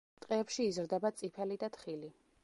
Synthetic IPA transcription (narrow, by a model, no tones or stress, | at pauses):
t̪ʼqʼɛːpʃiːzɾd̪ɛbat̪sʼipʰɛlid̪at̪χili